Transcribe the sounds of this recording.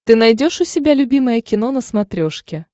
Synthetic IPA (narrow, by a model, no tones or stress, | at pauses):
t̪ɨnɐjdʲo̞ʂʊsʲɪbʲalʲʊbʲiməjəkʲɪno̞nəsmɐt̪ɾʲoʂkʲɪ